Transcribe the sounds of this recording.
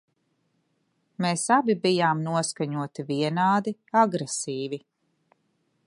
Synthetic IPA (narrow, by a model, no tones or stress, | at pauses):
meːsabibijaːmnuɔskaɲuɔt̪iviɛnaːd̪iaɡɾesiːvi